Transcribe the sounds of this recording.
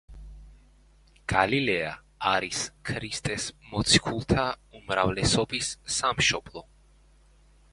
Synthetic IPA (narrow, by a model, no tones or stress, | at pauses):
ɡ̥alilɛaː | ɾiskʰɾist̪ʼɛsmɔt̪sʰi̥kʰulˠt̪ʰaumɾavlɛsɔbisːamʃɔblˠɔ